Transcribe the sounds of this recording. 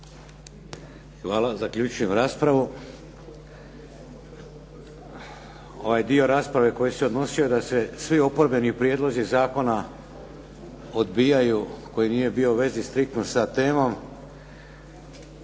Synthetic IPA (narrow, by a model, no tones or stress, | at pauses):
xʋaːlazakʎʲuːt͡ʃuje̞mɾaːspɾaʋu | o̞ʋajd̪io̞ɾaːspɾaʋe̞ko̞jiseo̞d̪no̞siod̪ase̞sʋio̞po̞ɾbe̞niupɾijeːd̪lˠo̞zizaːko̞na | o̞d̪bijajuko̞jinije̞bio̞ʋe̞zist̪ɾik̚t̪nosat̪e̞ːmo̞m